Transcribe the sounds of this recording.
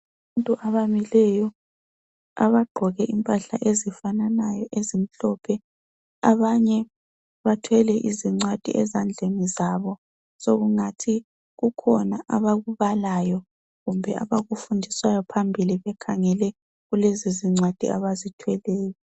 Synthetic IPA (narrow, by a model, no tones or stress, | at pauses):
aβantʼuʔaβamilɛjɔ | a̰βaɡ͡ǃʱɔɣɛʔimpʼaɬa̰ʔezifananajɔʔezim̩ɬɔpʰɛ | aβaɲɛ | βatʰwɛlɛʔiziŋ͡ǀwad̥ʱḭʔɛzand͡ɮʱenizaβɔ | soɣuŋatʰi | ɣukʰɔnaʔaβaɣuβalajɔ | ɣumbʱɛa̰βaɣufundʱiswajɔpʰambʱiliβɛkʰaŋɛlɛ | ɣuleziziŋ͡ǀwad̥ʱḭa̰βazitʰwɛlɛːjɔ